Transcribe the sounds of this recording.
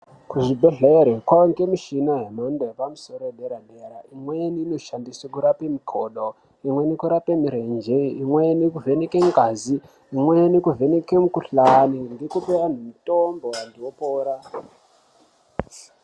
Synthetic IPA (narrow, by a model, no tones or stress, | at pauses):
kuʐibʱe̞ɮeɾekwaŋɡemiʃinaɦemandejepamuso̞ɾoɗeɾaɗeɾaimweniːnoʃandisekuɾapemikʰoːɗo | imwe̞nikuɾapemiɾend͡ʒeimwenikuvenekeŋɡaziː | mwenikuvʱe̞nekemukuɬanindikupeʋan̤umitomboandiwopoːɾa